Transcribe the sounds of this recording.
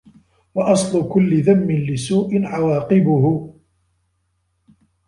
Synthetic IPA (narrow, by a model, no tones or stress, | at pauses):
wɑʔɑsˤlʊkʊlːɪðamːɪnlɪsuːʔɪnʕawɑːqɪbʊhʊ